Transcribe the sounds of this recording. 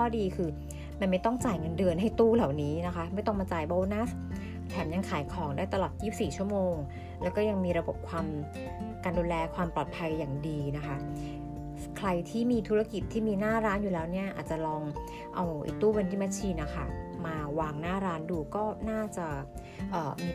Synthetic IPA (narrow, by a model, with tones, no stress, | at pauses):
kʰɔː˥˩diː˧kʰɯː˧ | ma˧nma˥˩jt̪ɔ˥˩ŋt͡ɕaː˨˩jŋɤ˧ndɯ˧ənɦa˥˩jt̪uː˥˩la˨˩wniː˦˥na˦˥kʰa˦˥ma˥˩jt̪ɔ˥˩ŋmaː˧t͡ɕaː˨˩jbɔ˧˥wna˦˥ | t̪ʰɛː˩˦mja˧ŋkʰaː˨˩˦jkʰɔː˩˦ŋdaː˥˩jt̪a˧lɔː˨˩t̪̚jiː˥˩p̚siː˨˩t͡ɕʰu˥˩əmoː˧ŋ | lɛː˦˥wkɔː˥˩ja˧ŋmiː˧ɾa˧bo˨˩p̚kʰwaː˧m | kaː˧nduː˧lɛː˧kʰwaː˧mplɔː˨˩t̪̚pʰa˧jːaː˨˩ŋdiː˧na˦˥kʰa˦˥ | kʰɾa˧jt̪ʰiː˥˩miː˧t̪ʰu˦˥a˧ki˨˩t̪ʰːiː˥˩miː˧naː˥˩ɾaː˦˥njuː˨˩ɛː˦˥wni˥˩ɐʔaː˨˩t̪̚t͡ɕa˨˩lɔː˧ŋ | ʔa˧wʔḭ˨˩k̚t̪uː˥˩we˧nt̪ʰiː˥˩ma˧˥t͡ɕʰiː˧na˦˥kʰa˥˩maː˧waː˧ŋnaː˥˩ɾaː˦˥nduː˧kɔː˥˩naː˥˩t͡ɕa˨˩ | ʔɤː˨˩miː˧